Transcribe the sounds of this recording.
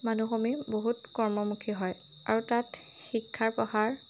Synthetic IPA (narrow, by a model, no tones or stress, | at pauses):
manuxomiboɦutkɔɹmɔmukʰiɦɔj | aɹutat | xikʰːaɹpɔhaɹ